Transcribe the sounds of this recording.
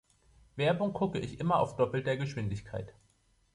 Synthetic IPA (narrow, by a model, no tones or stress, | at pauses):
v̥ɛɐbʊŋɡʰʊkəʔɪçʔɪmɐa̰ʊfd̥ɔpl̩t̚d̥eːɐɡəʃv̥ɪndɪçkʰaɪt